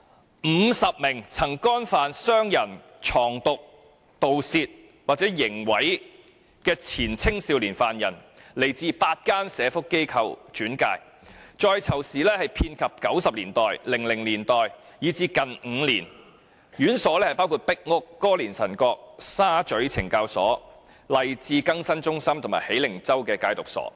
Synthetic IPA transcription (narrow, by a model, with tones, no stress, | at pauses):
m̩ː˨˧sɐ˨p̚mɪ˨˩ŋt͡sʰɐ˨˩ŋkɔː˥nfaː˨nsœː˥ŋjɐ˨˩n | t͡ʃʰɔː˨˩ŋt̪ʊ˨k̚ | t̪o˨wsiː˧t̚ | waː˨˩t͡sɛː˨˥jɪ˨˩ŋwɐ˨˥j | kɛː˧t͡sʰiː˨˩nt͡sʰɪ˥ŋsiː˧wliː˨˩nfaː˨˩njɐ˨˩n | le˨˩jt͡siː˧paː˧t̚kaː˥nsɛː˨˧fʊ˥kːe˥jkʰɐ˧wt͡ʃyː˨˥nka̰ː˧j | t͡ʃɔː˧jt͡sʰɐ˨˩wsiː˨˩lɛː˥hɐ˨jpʰiː˧nkʰɐ˨p̚kɐ˨˥wsɐ˨p̚liː˨˩nt̪ɔː˨jlɪ˨˩ŋlɪ˨˩ŋliː˨˩nt̪ɔː˨j | jiː˨˧t͡siː˧kɐ˨nŋ̩ː˨˧liː˨˩n | jyː˨˥nsɔː˨˥lɛː˥hɐ˨˩jpaː˥wkʰuː˧t̚pɪ˥k̚ŋʊ˥kːɔː˥liː˨˩nsɐ˨˩nkɔː˧k̚saː˥t͡ʃɵ˨˥ɥt͡sʰɪ˨˩ŋkaː˧wsɔː˨˥ | lɐ˨jt͡siː˧kɐ˥ŋsɐ˥nt͡ʃʊ˥ŋsɐ˥mt̪ʰʊ˨˩ŋma̰ː˨˩jhe˨˥jlɪ˨˩ŋt͡sɐ˥wkɛː˧kaː˧jt̪ʊ˨k̚sɔ̰ː˨˥